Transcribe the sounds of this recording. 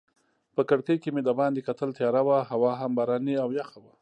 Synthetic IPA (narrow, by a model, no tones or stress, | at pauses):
pəkəɽkəjkemed̪abɑnd̪ekat̪əlt̪jɑɾawaɦawɑɦambaɾɑniawjaxawa